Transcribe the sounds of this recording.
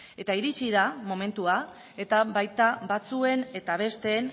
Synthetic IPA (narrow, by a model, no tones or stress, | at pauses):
e̞t̪aiɾit͡ʃiðamo̞me̞nt̪ua | e̞t̪aβajt̪aβat͡sue̞ne̞t̪aβ̞e̞st̪e̞ːn